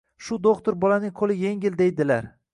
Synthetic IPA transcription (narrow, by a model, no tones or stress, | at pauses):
ʃʊd̪oqt̪ʊɾbɒlanɪŋqʰolɪje̞ŋʲɪld̪e̞jd̪ɪlaɾ